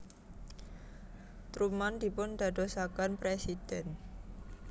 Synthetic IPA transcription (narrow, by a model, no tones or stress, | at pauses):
t̪ɾumand̪i̤pʊnd̪a̤d̪osakanpɾesid̥ɛn